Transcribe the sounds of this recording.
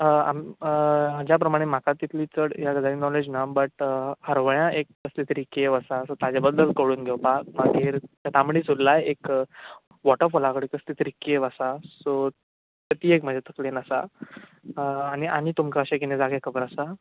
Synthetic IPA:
a̰m | d͡ʑjap̬ɾəmaɽ̃em̤akat̪ːit̪ʰliːt͡səɽjaɡəd͡zaɾiːnɔled͡ʑnabəʈhəɾʋəɭjãʔekːəst̪ʰit̪ɾikeʋəsasot̪ad͡ʑabəd̪ːəlkəɽuːnɡʱewpak̚maɡiːɾt̪jat̪ʰamɽiːsud̪lajek | ʋɔʈəfolakəɽekəst̪ʰit̪ɾikːeʋəsaso | t̪ət̪iekm̤əd͡ʑʱat̪əklenəsa̰ | ñiʔañit̪umkaəɕak̬inẽd͡zaɡekʰəbəɾəsa

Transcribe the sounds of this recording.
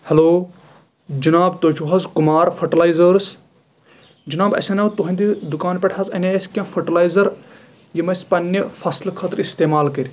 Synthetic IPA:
hɐloː | d͡ʒɐnaːbt̪ot͡ʃʰuɦɐzkumaːɾfʰɐʈɐlajzəɾs | d͡ʒɐnaːbɐ̰sʲɐnɐwt̪uɦɐ̃nd̪id̪ukaːnpʲeʈʰɐzɐnʲeɐsʲkʲãːfʰɐʈɐlajzɐɾ | jimɐspɐnʲːɐfɐslkʰɐt̪ɾist̪eːmaːlkɐɾʲ

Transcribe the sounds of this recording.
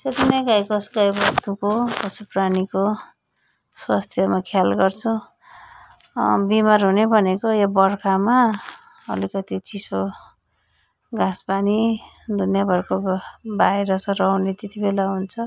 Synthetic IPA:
set̪inʌɡajkʌsuɡajbʌst̪ukokʌsupraniko | swast̪ʰjʌmakʰjalɡʌrt͡sʰu | bimarɦunebʱʌnekojobʌrkama | ʌ̰likʌt̪it͡siso | ɡãsbani | d̪ʱunjabʱʌrkobajɾʌsʌrʌwnet̪et̪ibelaɦunt͡sʰʌ

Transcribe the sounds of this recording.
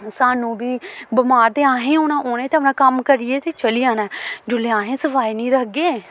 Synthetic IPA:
saːnũːbiːbəmaːɾd̪eːãːɦẽːoːnãːʔoːnẽːt̪eəmnãːkəmkəɾieːt̪eːt͡ʃəliãːnɛ̃ːd͡ʒʊleːãːɦẽːsəfaːiːnĩːɾəkɡeː

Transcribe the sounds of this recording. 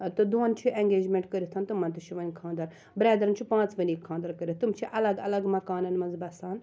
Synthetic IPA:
t̪ɨd̪oːnt͡ʃʰiʔẽŋɡeːd͡ʒmẽɳʈkəɾʲit̪ʰaːnt̪umːɐnt̪ut͡ʃʰiʋɐnʲkʰãːnd̪ɐɾ | bɾeːd̪ɐɾɐnt͡ʃʰipãːt͡sʋɐnikʰːãːnd̪ɐɾkəɾʲit̪umt͡ʃʰiʔɐlɐɡɐlɐɡmɐkaːnɐnmɐnzbɐsaːn

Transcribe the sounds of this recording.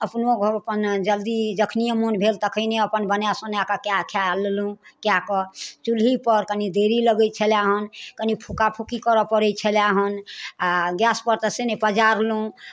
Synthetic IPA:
əpnoɡpənd͡ʒəld̪id͡ʒəkʰnijəmonbʱelt̪əkʰəɪneəpənbənjasə̃neakakeakʰjallũ | kjakət͡ʃulɦipəɾkənid̪eɾiləɡət͡ʃʰəljaɦənkənipʰukapʰukikəɾɔpəɾɛt͡ʃʰəljaɦənaɡjaspəɾt̪əsenepəd͡ʒaɾlũ

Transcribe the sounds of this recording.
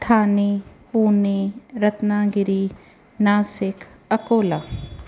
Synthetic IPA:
t̪ʰaːnepuːneɾɐt̪naːɡɪɾi | naːsɪkʰɐkoːlaː

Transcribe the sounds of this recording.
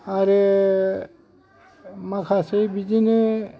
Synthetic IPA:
aɾe | makʰasejbid͡ʒine

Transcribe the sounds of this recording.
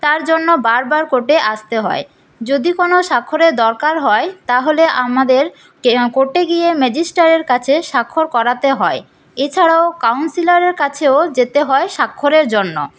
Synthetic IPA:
t̪aɾd͡ʑonːobaɾbaɾkoʈeʔast̪eɦɔ̰e | d͡ʑod̪ikonoʃakʰːoɾeɾd̪ɔɾkaɾɦɔet̪aɦoleʔamad̪eɾ | koʈeɡijemɛd͡ʑisʈaɾeɾkat͡ɕʰeʃakʰːoɾkɔɾat̪eɦɔe | et͡ɕʰaɽaokawnsilaɾeɾkat͡ɕʰeod͡ʑet̪eɦɔeʃakʰːoɾeɾd͡ʑonːo̰

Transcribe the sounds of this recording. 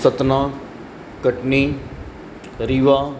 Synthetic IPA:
sət̪nãː | kəʈniː | ɾiːʋaː

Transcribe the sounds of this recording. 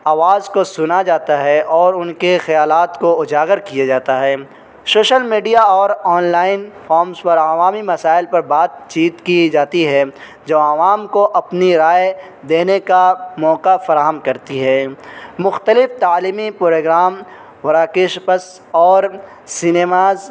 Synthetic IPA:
aːʋaːzkosʊnad͡ʒaːt̪aɦɛʔɔːɾʊnkexɐjaːlaːt̪koʊd͡ʒaːɡəɾkijad͡ʒaːt̪aɦɛː | soːʃəlmiːɖijaɔːɾɔːnlaːɪnfʰɔːɾmspɐɾaʋaːmimɐsaːɪlpɐɾbaːd̪̚t͡ʃiːt̪kid͡ʒaːt̪iɦɛ | d͡ʒɐbɐʋaːmkoʔɐpniɾaːe | d̪eːnekamɔːqafɐɾaːɦəmkɐɾt̪iɦɛːmʊxt̪əlɪft̪aːliːmipɾoːɡɾaːm | ʋɐɾaːkɪʃpəs | ɔːɾ | sɪneːmaːz

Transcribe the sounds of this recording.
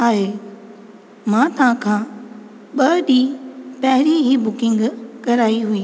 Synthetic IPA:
aːɦeː | mãːt̪ɐʋãkʰãː | ɓɐɗiːpɐɦɪɾiɦibʊkɪ̃ŋɡkɐɾaːiɦʊiː

